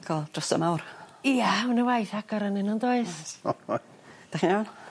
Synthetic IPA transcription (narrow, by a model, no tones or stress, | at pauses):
ɡʰɔlˠd̥rɔsə̰mawriaunəwajθaɡɔɾənɪnɔndoːɨs | d̥aχinawn